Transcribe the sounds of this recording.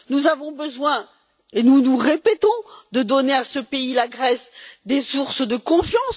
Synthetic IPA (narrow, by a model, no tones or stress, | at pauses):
nuzavɔ̃bəzwɛ̃ | enunuʁepɛt̪ɔ̃d̪əd̪ɔneasəpeilaɡʁɛsd̪esuʁsd̪əkɔ̃fjɑ̃s